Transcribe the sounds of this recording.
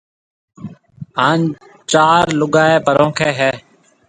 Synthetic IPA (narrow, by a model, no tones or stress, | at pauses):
ɦaːn | t͡ʃaːɾlʊɠaːeːpəɾõːkʰeːɦɛː